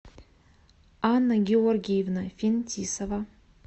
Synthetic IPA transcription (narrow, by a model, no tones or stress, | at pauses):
anːaɡʲeorɡʲejvnafʲintʰisɐva